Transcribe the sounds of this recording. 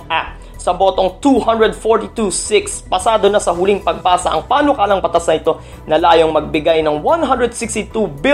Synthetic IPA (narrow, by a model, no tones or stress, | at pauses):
ʔa | sɐbo̞ːt̪o̞ŋt̪uhɐ̃nd̪ɹɛd̪foɹt̪it̪usɪkspɐsaːd̪o̞nɐsɐɦʊliŋpɐɡ̚baːsɐʔɐ̰ŋpaːnokaːlɐŋpɐt̪asnɐʔɪt̪o̞ | nɐlaːjo̞ŋmɐɡ̚bɪɡajnɐŋwɐnɦɐnd̪ɹɛd̪sɪkst̪ɪt̪ubɪ